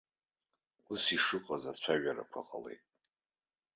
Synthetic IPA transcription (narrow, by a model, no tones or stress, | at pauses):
usiʂɨqʼazat͡ɕʷʰaɥaɾa̰kʷʰa̰qʼale̞̰jtʼ